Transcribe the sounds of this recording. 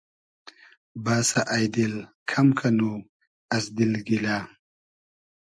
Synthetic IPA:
baːsaʔajd̪il | kʰɐmkʰanu | ɐsd̪ilɡilaː

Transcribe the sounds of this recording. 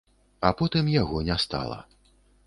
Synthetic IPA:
apɔt̪ɨmjaɣɔnʲɛst̪a̰lˠɐ̰

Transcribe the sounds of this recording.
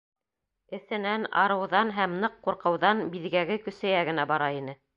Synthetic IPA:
ɘ̆θɘ̆nænɑ̰ɾɤ̆wðɑnɦæmnɤqːuɾqɤ̆wðɑnbiðɡæɡɘkɵ̆sæ̆jæɡɘ̆næbɑɾɑinɘ

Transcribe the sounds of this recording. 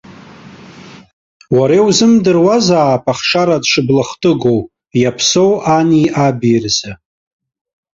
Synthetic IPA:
waɾewzɨmdɨrwazaːpʰʼaχʂaɾadʂɨblaχtʼɨɡow | japʰsowʔaniabirza

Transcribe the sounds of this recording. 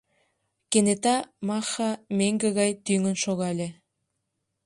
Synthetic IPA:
kenet̪ɑmɑxɑmeŋɡeɣɑjt̪yŋə̆nʃoɣɑlʲe

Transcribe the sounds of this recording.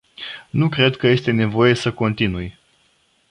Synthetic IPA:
nukɾe̞d̪kəje̞st̪e̞ne̞vo̞je̞səko̞nt̪inuj

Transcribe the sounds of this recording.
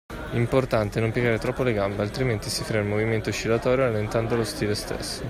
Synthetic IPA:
import̪ant̪enompjeɡaːɾet̪ɾɔpːoleɡambealt̪ɾiment̪isifɾemilmoviment̪ot͡ʃːilat̪ɔːɾjoalent̪and̪oalost̪iːlest̪ḛsːo

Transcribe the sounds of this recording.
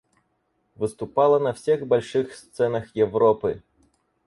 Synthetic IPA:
vɨst̪ʊpɑlˠɐnɐfsʲɛɣbɐlʲʂɨxst̪sɛnɐxjɛvrɔpɨ

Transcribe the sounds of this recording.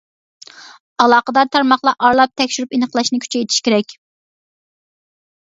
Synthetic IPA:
ɑlˠɑːqəd̪ɑɾt̪ʰɑɾmɑχlˠɑʔɑɾlˠɑp̚t̪ʰɛkʲʃyɾypenəqlˠɑʃnɪkʰʲy̥t͡ʃʰɛet̪ʰi̥ʃkʲeɾɛkʲ

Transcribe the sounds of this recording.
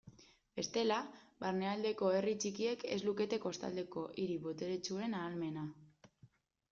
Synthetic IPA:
be̞st̪e̞laβaɾne̞ald̪e̞ko̞e̞rit͡ʃikie̞ke̞zluke̞t̪e̞ko̞st̪a̰ld̪e̞ko̞ʔiɾiβo̞t̪e̞ɾet͡ʃue̞naːlme̞na

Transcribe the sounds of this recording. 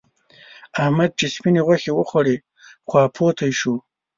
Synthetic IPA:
ahmad̪̚t͡ʃespineɣwaxewəxwaɽe | xwɑːpʰot̪ʰajʃu

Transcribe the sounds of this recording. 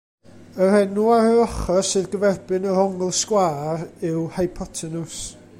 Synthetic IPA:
ər̥ɛnuaɾəɔχɔsɨðɡəvɛrbɨnəɾɔŋlˠskwaːɾɪwhajpʰɔtʰɛnʊs

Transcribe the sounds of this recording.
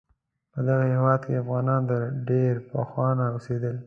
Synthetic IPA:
pəd̪aɣahewɑd̪keafɣɑnɑnd̪əɖeɾpəxwɑnaosed̪əl

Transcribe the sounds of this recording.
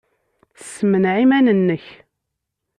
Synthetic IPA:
θsːəmənʕimænənːəç

